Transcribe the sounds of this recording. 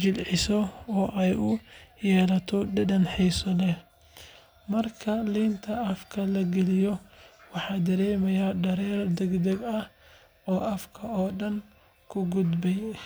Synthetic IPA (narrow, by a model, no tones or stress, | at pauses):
d͡ʒɪlʕɪsɔɔːʔɛjʊjɛːlɐt̪ʰɔdɐdɐnħɛjsɔlɛ | mɐrkʰɐliːnt̪ʰɐɐfkʰɐlɐɡɛlɪjɔwɑħɑːd̪ɐɾɛːmɐjaɖɐɾɛːrd̪ɛɡd̪ɐɡɐh | ɔːʔɐfkʰɐɔːɖɐŋ | kʰʊɡʊd̪bɛj